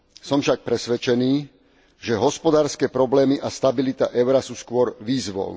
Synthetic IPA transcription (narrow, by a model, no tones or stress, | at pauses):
sɔmfʃak̚pɾɛsʋɛt͡ʃɛniː | ʒɛɦɔspɔd̪aːɾskɛːpɾɔblɛːmiʔast̪abilit̪aʔɛʊɾasuːskʊɔɾʋiːzʋɔ̰ʊ